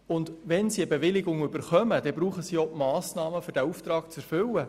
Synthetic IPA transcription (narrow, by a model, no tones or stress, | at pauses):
ʊndʋɛnsiəbeʋɪlɪɡʊŋʏbəɾχœməd̥ɛbɾuːχəsioʔmɑːsnɑːməfʏɾd̥æuft̪ɾɑːkt͡sɛɾfʏlə